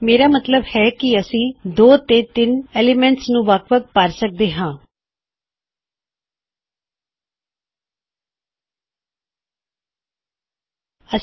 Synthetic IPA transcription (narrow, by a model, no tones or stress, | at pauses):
meːɾaːmət̪ləbhɛːkɪəsĩːd̪oːt̪eːt̪ɪneːlɪmɛ̃ɳʈsnũːʋəkʰʋək̚pəɾsək̚d̪eːɦãː | ə